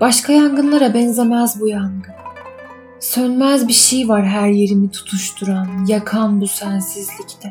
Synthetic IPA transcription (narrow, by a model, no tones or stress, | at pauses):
b̥aʃkʰajaŋɡɯnlˠaɾabɛnzamazbujaŋɡɯn | sønmæzbiʃejvaɾɦæɾje̞ɾimit̪ʰu̥t̪ʰuʃt̪ʰuɾanjakʰanbusænsizlʲict̪ʰɛ